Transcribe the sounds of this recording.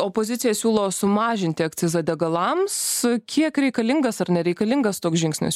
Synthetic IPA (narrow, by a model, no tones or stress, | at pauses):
oːpoːzʲɪt̪t͡s̪ʲɪjɛsʲuːlˠoːsʊmɑːʒʲɪnʲt̪ʲɪɐkt͡s̪ʲɪzɐd̪ʲɛɡɐlˠɐmskʲʰiɛkɾʲɛɪkɐlʲɪŋɡɐsɐrnʲɛɾʲɛɪkɐlʲɪŋɡɐst̪oːksʒʲɪŋksʲnʲɪ̰s